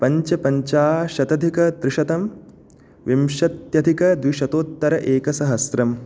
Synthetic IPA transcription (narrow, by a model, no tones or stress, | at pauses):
pɐɲt͡ʃɐpɐɲt͡ʃaːʃɐt̪ɐd̪ʱikɐt̪ɾɪʃɐt̪ɐm | ʋimʃɐt̪jɐd̪ʱikɐd̪ʋiʃɐt̪oːt̪ːɐɾɐʔeːkɐsɐɦɐsɾɐm